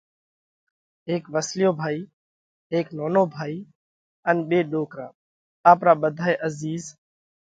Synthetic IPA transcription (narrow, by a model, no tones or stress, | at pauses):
ɦeːkʋəslɪjoːbʱaːiː | ɦeːknoːnoːbʱaːiː | ənɓeːɗoːkɾãː | aːpɾaːɓəd̪ʱaːeːʔəziːz